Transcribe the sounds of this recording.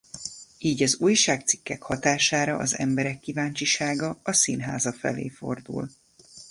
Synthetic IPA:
iːɟɒzuːjʃaːk̚t̪si̥kːɛkhɒt̪aːʃaːɾɒʔɒzɛ̰mbɛɾɛkːivaːɲt͡ʃiʃaːɡɒɒsinɦaːzɒfɛ̰lḛːfo̞̰rd̪ṵl

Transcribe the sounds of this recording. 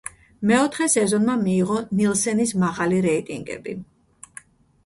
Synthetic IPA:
mɛɔt̪ʰχɛsɛzɔnmamiːʁɔnilˠsɛnismaʁaliɾɛit̪ʼiŋɡɛ̰bi

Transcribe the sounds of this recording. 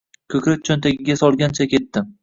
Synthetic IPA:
kʲʰɵkʲɾɪt̚t͡ʃʰɒnt̪ʰaɡʲɪɡʲasɒlˠɡʲant͡ʃʰakʲe̞t̪ːɪm

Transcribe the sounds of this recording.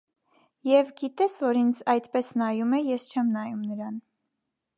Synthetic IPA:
jɛvɡit̪ɛsvɔɾind͡zɑjt̪pɛsnɑjumɛjɛst͡ʃʰɛmnɑjumnəɾɑn

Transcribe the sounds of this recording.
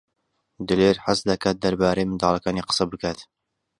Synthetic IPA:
d̪ɨleːɾħasd̪ɐkaːt̪̚d̪ɐɾbaːɾejmɨnd̪ɑːlˠɐkaːniːqə̥sɐbɨkʰaːt̪

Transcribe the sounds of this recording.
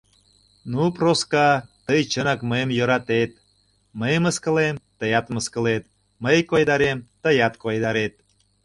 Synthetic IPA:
nuproskɑt̪əjt͡ɕənɑkməjəmjəɾɑt̪et̪̚ | məjəməskə̆lemt̪əjɑt̪məskə̆let̪ | məjkojd̪ɑɾemt̪əjɑt̪kojd̪ɑɾet̪̚

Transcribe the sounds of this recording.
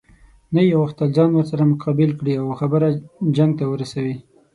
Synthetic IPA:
najawaxt̪ald͡ʒɑnwəɾsaɾamʊqʰɑbɪlkɽiawxabəɾad͡ʒaŋɡ̚t̪awəɾasawi

